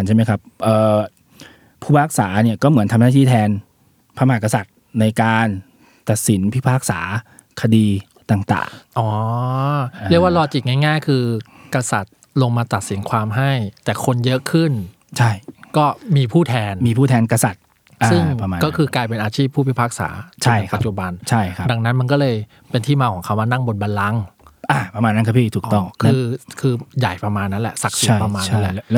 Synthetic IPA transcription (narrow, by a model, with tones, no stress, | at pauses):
t͡ɕʰa˥˩ma˥jkʰa˦˥p̚ʔɤː˨˩ | pʰuː˥˩pʰaː˥˩k̚saː˩˦ni˥˩ɐkɔː˥˩mɯ˩˦ənt̪ʰa˧naː˥˩iː˥˩t̪ʰɛː˧n | pʰaː˧maː˨˩ka˧sa˨˩t̪̚ | na˧jkaː˧n | t̪a˨˩t̪̚si˩˦npʰi˦˥˩pʰaː˥˩k̚sa̰ː˩˦ | kʰa˧diː˧ | t̪aː˨˩ŋt̪a̰ː˨˩ŋʔɔː˨˩˦ | ɾəkwaː˥˩lɔː˧t͡ɕi˨˩ŋaː˥˩ŋaː˥˩jkʰɯː˧ | ka˧sa˨˩t̪̚ | lo˧ŋmaː˧t̪a˨˩t̪̚si˩˦nkʰwaː˧mɦa˥˩jt̪ɛː˨˩kʰo˧njɤ˦˥kʰɯ˥˩n | t͡ɕʰa˥˩jkɔː˥˩miː˧pʰuː˥˩t̪ʰɛː˧nmiː˧pʰuː˥˩t̪ʰɛː˧nka˧sa˨˩t̪̚ | ʔsɯ˥˩ŋa˧kɔː˥˩kʰɯː˧klaː˧jp̬e˧nʔaː˧t͡ɕʰiː˥˩pʰːu˥˩pʰi˥˩pʰaː˦˥k̚sa̰ː˩˦t͡ɕʰa˧˥˩ka˨˩t̪̚t͡ɕu˨˩ba˧nt͡ɕʰa˥˩jkʰa˦˩da˧ŋna˦˥nma˧nk̬ɔː˥˩lɤː˧j | pe˧nt̪ʰiː˥˩maː˧kʰɔː˩˦ŋkʰa˦˥wmaː˧na˥˩ŋbo˧n̚baː˧nla˦˥ŋʔaː˧˩pa˧maː˧nː˦˥ka˥˩pʰiː˥˩t̪ʰuː˨˩kt̪ɔ˥˩ŋkʰɯː˧kʰɯː˧ja˨˩jpɾa˧maː˧nːa˦˥lɛ̰˨˩ʔsa˨˩k̚si˨˦˩pɾa˧maː˧nːa˦˥lɛ˨˩